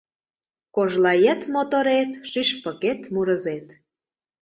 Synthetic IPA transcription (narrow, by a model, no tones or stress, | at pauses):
koʒlɑjĕt̪mot̪oɾet̪ʃyʃpə̆ket̪muɾə̆zet̪